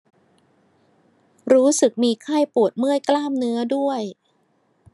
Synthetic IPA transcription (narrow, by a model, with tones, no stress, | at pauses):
ɾuː˦˥sɯ˨˩k̚miː˧kʰaː˥˩jpu˨˩ət̪̚mɯ˥˩əjklaː˥˩mnɯ˦˥ɐdu˥˩əj